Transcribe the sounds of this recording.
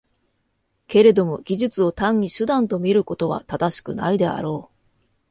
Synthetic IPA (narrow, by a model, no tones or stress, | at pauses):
ke̞ɾe̞d̪o̞mo̞ɡʲiʑɨt͡sɨo̞t̪ãɲ̟ːiɕɨd̪ãnt̪o̞mʲiɾɯ̟ko̞t̪o̞βa̰t̪ad̪aɕi̥kɯ̟naid̪e̞a̰ɾo̞ː